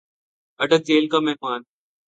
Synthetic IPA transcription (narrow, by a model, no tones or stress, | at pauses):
əɖək̚d͡ʑeːlkaːmẽːmaːn